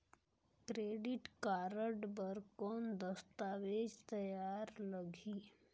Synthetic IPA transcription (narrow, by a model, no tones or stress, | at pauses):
kɾeːɖɪʈkaːɾəɖbəɾkond̪əst̪aːʋeːd͡ʒt̪ɐjaːɾləɡʱiː